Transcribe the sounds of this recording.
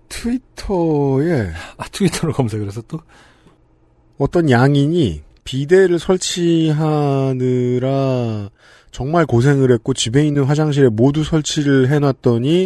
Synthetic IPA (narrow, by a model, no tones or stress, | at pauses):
tʰuitʰʌe̞atʰuitʰʌɾɯkʌmsʰeɡɯɾesʰʌt͈o | ʌt͈ʌnjaŋiɲi | pide̞ɾɯɭsʰʌɭt͡ɕʰiɦanɯɾa | t͡ɕʌŋmaɭkos̬ʰe̞ŋɯɾɦe̞t̚k͈ot͡ɕibe̞inːɯnɸwad͡ʑaŋɕ̬ʰiɾe̞modusʰʌɭt͡ɕʰiɾɯɭɦe̞nwat̚t͈ʌɲi